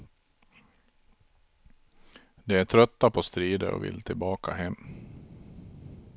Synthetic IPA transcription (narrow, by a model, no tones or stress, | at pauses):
d̪ɛæʈʰɾœt̪ːapʰɔst̪ɾiːd̪ə̰ɾɔ̰vɪ̰lt̪ʰɪlbɑːkʰaɦɛmː